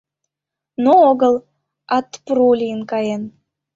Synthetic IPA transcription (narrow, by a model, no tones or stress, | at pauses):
nooɣəlˠ | ɑt̪pɾulʲiənkɑjen